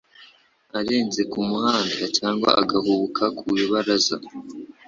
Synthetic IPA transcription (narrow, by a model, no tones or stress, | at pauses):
aɾe̞ːnze̞kumuhaːndacaːŋɡwa̰ʔaɡahuβukʰakʰujuβaɾaza